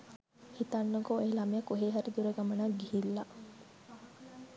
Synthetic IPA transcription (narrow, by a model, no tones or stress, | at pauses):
hit̪ɐnːoɡoelɐmijɐkuɦeːɦɐɾid̪uɾeɡɐmɐnaɡihilːɐ